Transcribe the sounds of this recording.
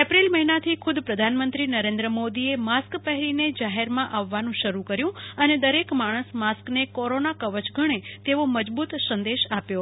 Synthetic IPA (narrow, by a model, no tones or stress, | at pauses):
epɾilməɦinat̪ʰikʰʊd̪pɾəd̪ʱanmənt̪ɾinəɾẽnd̪ɾəmod̪iemaskpəɦɛɾined͡ʒaɦeɾmãʔaʋːanũʃəɾukəɾjũəned̪əɾekmaɽ̃əsmasknekɔɾonakəʋət͡ʃɡʱəɽ̃et̪eʋoməd͡ʒbut̪sə̃nd̪eʃapjo